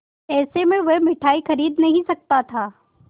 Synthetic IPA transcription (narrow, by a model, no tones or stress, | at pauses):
ɛːsemɪɭʋɐmɪʈʰaːixɐɾiːd̪nɐɦĩsɐk̚t̪at̪ʰaː